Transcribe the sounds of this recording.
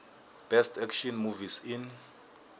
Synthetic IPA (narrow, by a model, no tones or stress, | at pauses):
b̥ɛstʰɛkʃɔnmuvisin